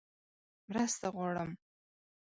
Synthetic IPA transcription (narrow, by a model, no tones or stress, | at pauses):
mɾəst̪aʁwɑɽəm